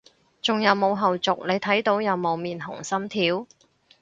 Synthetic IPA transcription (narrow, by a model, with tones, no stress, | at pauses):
t͡sʊ˨ŋjɐ˨˧wmo˨˧wɦɐ˨wt͡sʊ˨k̚le˨˧jt̪ʰɐ˨˥jt̪o˨˥wjɐ˨˧wmo˨˧wmiː˨˩nɦʊ̰˨˩ŋsɐ˥mt̪ʰiː˨˥w